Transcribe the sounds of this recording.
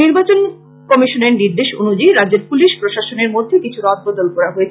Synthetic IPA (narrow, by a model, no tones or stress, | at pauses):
iɾbat͡ɕon | kɔmiʃoneɾniɾd̪eʃo̰nud͡ʑiɾadd͡ʑeɾpuliʃpɾoʃaʃoneɾmod̪ʱːekit͡ɕʰuɾɔt̪̚bɔd̪olkɔɾaɦoet͡ɕʰ